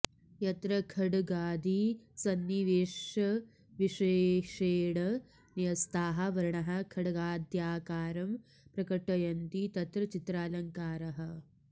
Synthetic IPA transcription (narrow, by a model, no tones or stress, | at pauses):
jɐt̪ɾɐkʰɐɽɐɡaːd̪isɐnːiʋeːʂɐ | ʋiʂeːʂeːɽɐ | nijɐst̪ʰaːɦɐ̆ʋɐɾɐɳɐɦɐkʰɐɽɐɡaːd̪ʱjaːkaːɾɐm | pɾɐkɐʈːɐjɐnt̪it̪ɐt̪ɾɐt͡ʃit̪ɾaːlɐŋkaːɾɐɦɐ̆